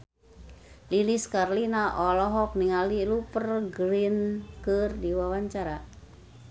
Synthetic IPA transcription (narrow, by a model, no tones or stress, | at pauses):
liliskarlinaʔɔlɔɦɔk̚niŋalilupərɡɾinkərdiwawaɲt͡ʃaɾa